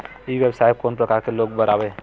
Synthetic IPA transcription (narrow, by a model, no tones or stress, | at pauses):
ibjebsajb̚konpɾəkaɾkeloɡbəɾabɛ